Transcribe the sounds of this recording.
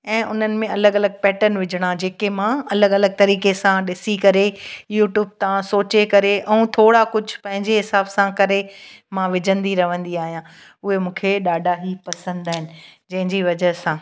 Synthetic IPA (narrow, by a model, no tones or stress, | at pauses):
ɛ̃ːʔʊn̤ənɪ̆mẽɐləɡɐləɡ̚pɛːʈənʋɪd͡ʑʱɪɽ̃ãd͡ʑeːkemãɐləɡɐləɡ̚t̪ɐɾiːkesãɗɪsikɐɾejuːʈjuːb̚t̪ãsoːt͡ɕekɐɾeʔɛ̃ũt̪ʰoːɽakʊd͡ʑʱʊpɐ̃ɦɪ̃ɲd͡ʑeɦɪsaːbsãkɐɾemãʋɪd͡ʑʱə̃nd̪iɾɐʋə̃nd̪iaːɦijã | ʊɦemũːkʰeɗaːɖʱaɦipɐsə̃nd̪aːɦɪnɪ̆d͡ʑɐ̃ɦɪ̃ɲd͡ʑiʋɐd͡ʑəɦsãː